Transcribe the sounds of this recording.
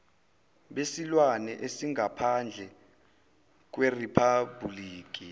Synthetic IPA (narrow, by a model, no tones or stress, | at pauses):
ɓesilwanɛʔesiŋapʰand͡ɮʱɛ | k̬weripʰabuliːk̬i